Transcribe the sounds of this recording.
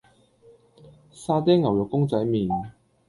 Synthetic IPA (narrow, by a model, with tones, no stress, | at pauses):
saː˧t̪̬ɛː˥ŋːɐ˨˩wjʊ˨kːʊ˥ŋt͡sɐ˨˥jmiː˨˩n